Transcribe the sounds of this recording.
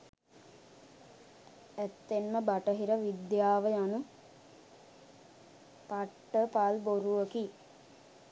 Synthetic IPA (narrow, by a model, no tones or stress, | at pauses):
æt̪ːenməbaʈəɦiɾəʋid̪jaːʋəjanu | paʈːəpalboɾuʋəki